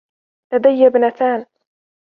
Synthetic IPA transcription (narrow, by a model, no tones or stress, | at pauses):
lad̪ajːabnat̪aːn